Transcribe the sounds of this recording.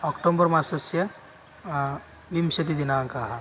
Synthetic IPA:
ɔkʈombɐɾmasɐsjɐ | ʋimʃɐt̪id̪inaːŋkaɦɐ

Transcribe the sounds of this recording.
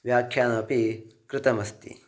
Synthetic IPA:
ʋjaːkʰjaːnɐpikɾɪt̪ɐmɐst̪ḭ

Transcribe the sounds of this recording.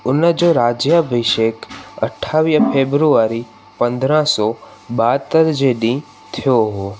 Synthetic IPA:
ʊnəd͡ʒoɾad͡ʒjabʱəʃekə̰ʈʰːaʋipʰebɾuaɾi | pə̃nd̪ɾãsɔ | bat̪ːəɾd͡ʒeɖĩ | t̪ʰəjoɦo

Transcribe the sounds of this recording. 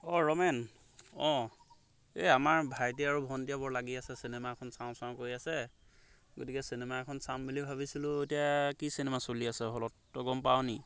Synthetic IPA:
ɔɹɔmɛn | ɔ̃ | eamaɹbʱajt̬iaɹubʱɔntijabɔɹlaɡiasɛsinɛmaɛkʰɔnsaʊ̃saʊ̃koɹiasɛ | ɡotikɛsinɛmaɛkʰɔnsambilibʱaβisilʊetijakisinemasoliasɛɦɔlɔtːɔɡɔmpawni

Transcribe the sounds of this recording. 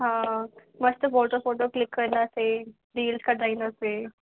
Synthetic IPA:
ɦãməst̪əfoʈofoʈoklikːəɾnase | ɖiːlskaʈainəse

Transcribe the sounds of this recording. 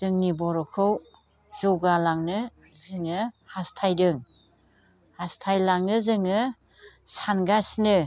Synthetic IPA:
zɯŋnibɔɾɔkʰɯw | zɔwɡalaŋnɯ | zɯŋɯhastʰajdɯŋ | hastʰajlaŋnɯzɯŋɯ | sanɡasnɯ

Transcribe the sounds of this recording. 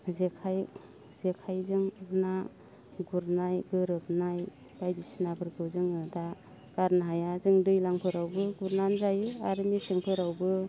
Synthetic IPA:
zekʰaj | zekʰajzɯŋna | ɡuɾnajɡɯɾɯp̚naj | bajdisnabɯɾkʰɯwzɯŋɯda | ɡ̥aɾnaɦajazɯŋdɯjlaŋpʰɯɾawbɯɡuɾnanzajaɾɯniseŋpʰɯɾawbɯ

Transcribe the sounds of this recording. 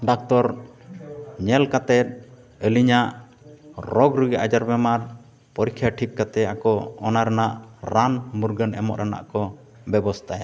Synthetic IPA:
ɖak̚t̪ɔɾ | ɲɛlkat̪ɛt̪̚ | əliɲaʔ | ɾɔɡɾuɡɛʔad͡ʒaɾbɛmaɾ | pɔɾikʰːjaʈʰik̚kat̪ɛakɔɔnaɾɛnaʔɾanmuɾɡənɛ̰mɔ̰ʔɾana̰ʔkɔ | bɛbɔst̪ʰaja

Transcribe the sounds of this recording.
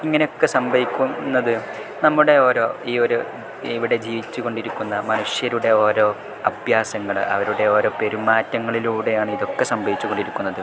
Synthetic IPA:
iŋːɐne̞jo̞kːe̞sɐmbʱɐʋikʲːunːɐðɨ | nɐmːuɽe̞o̞ːɾo̞ːiːo̞ɾu | iʋiɽe̞d͡ʑiːʋit͡ɕːuko̞ɳɖiɾikʲːunːɐmɐnuʂjɐɾuɽe̞o̞ːɾo̞ː | ɐbʱjaːsɐŋːɐɭɐ̰ʋɐɾuɽe̞o̞ːɾo̞ːpe̞ɾumːaːtːɐŋːɐɭiluːɽe̞jaːɳɨiðo̞kːe̞sɐmbʱɐʋit͡ɕːuko̞ɳɖiɾikʲːunːɐðɨ

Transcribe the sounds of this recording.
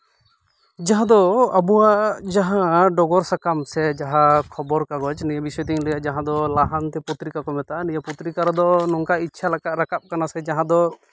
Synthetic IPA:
d͡ʒaɦãd̪ɔabuwaʔd͡ʒaɦãɖɔɡɔɾsakamsɛd͡ʒaɦakʰɔbɔɾkaɡɔt͡ʃnijabisɔjt̪iŋlɛjaʔd͡ʒaɦãd̪ɔlaɦant̪ɛput̪ɾikakɔmɛt̪aʔanijaput̪ɾikaɾɔd̪ɔnɔŋkaitːt͡ʃʰalakaʔ̪ɾakap̚kanasɛd͡ʒaɦãd̪ɔ

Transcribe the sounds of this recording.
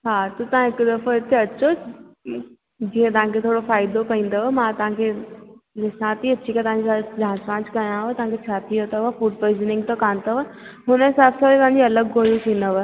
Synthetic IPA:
ɦaːt̪ot̪ɐãɦɪkd̪ɐfəɪt̪ʰeɐt͡ɕo | d͡ʑiːẽt̪ɐʋ̤ãkʰet̪ʰoːɽofaːɪd̪okɐĩːn̆d̪oʋəmãt̪ɐʋ̤ãkʰelɪsãt̪iɐt͡ɕʰikat̪ɐʋ̤ɦãɲd͡ʑisad͡ʑãːspãːd͡ʑkɐjãɦet̪ɐʋɦãkʰet͡ɕʰaːt̪ʰiot̪aʋafuːɖ̚pəɪznɪ̃ŋɡt̪okaːnt̪oʋəɦʊnɦɪsaːbsait̪ɐ̃ɦãɲd͡ʑiɐləɡːoːjũt̪ʰĩːnd̪oʋə

